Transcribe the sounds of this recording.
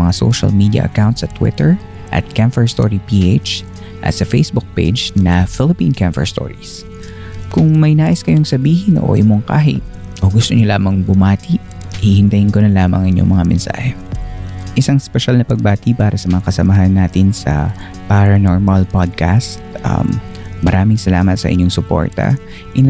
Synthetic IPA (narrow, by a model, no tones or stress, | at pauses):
mɐŋaso̰wʃɐ̰lmiːd̪iɐ̰ʔɐ̰kawnt̪sɐt̪wɪ̰t̪ɛɹ | ʔɐ̰t̪̚kamfɛɹst̪o̰ɹipiʔet͡ʃ | ʔɐ̰sɐfejsbʊk̚pḛd͡ʒnɐfɪlɪpĩːnkamfɛ̰ɹst̪o̰ːɹis | kʊŋmɐjnaːʔɪskɐjoŋsɐbiːhɪnʔo̰ʔɪmoŋka̰ːɦɪ̰ʔ | ʔoːɡʊst̪oɲolaːmɐŋbʊmaːt̪iʔ | hihɪnt̪ɐjɪnkonɐlaːmɐ̰ŋʔɪɲːoŋmɐŋamɛnsa̰ːhɛ | ʔɪsaŋspɛʃalnɐpɐɡ̚baːt̪ɪpaːɾɐsɐmɐŋakɐsɐmɐɦanːaːt̪ɪnsɐ̰ | paɾɐnoɹmɐlpad̪̚kast̪̚ʔɐ̰mː | ɐɾʔaːmɪŋsɐlaːmɐt̪sɐ̰ʔɪ̰ɲːoŋsʊpo̰ɹt̪ɐ̰ | ʔɪ